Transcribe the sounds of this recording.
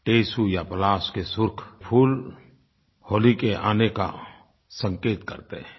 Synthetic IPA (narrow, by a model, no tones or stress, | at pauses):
ʈeːsujapəlaːskesʊɾkʰpʰuːl | hoːlikeʔa̰ːneka̰ | sə̃ŋkeːt̪kə̰ɾt̪e